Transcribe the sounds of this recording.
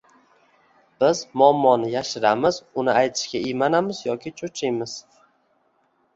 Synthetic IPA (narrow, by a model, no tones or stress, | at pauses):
b̥ɪzmʊɒmːɒnɪjaʃɪɾamɪz̥ʊnɪajt̪ʰɪ̥ʃkʲaijmanamɪzjɒkʲʰɪt͡ʃʰʊt͡ʃʰɪjmɪz̥